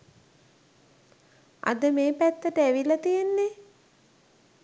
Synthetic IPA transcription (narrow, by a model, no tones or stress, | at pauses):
a̰d̪əmeːpæt̪ːəʈəæʋilɐt̪ijenːe